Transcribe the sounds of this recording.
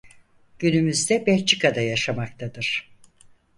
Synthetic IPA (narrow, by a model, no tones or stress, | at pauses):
ɟ̥ynymyzd̪ɛbɛɾt͡ʃʰikad̪ajaʃamakt̪ʰad̪ɯɾ̥